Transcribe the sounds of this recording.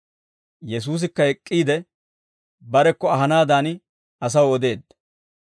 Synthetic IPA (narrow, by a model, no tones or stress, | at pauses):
jɛs̬uːs̬ɪkːɐhɛkʼːiːd̪ɛ | bɐɾɛkːɔɐɦɐnaːd̪aːn | ɐs̬ɐwɔd̪e̞ːd̪ɐ